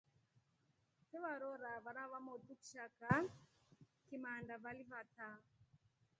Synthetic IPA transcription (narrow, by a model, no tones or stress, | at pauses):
sɛβaɾɔɾaβaɾaβamɔtuki̥ʃaka | kimandavalivata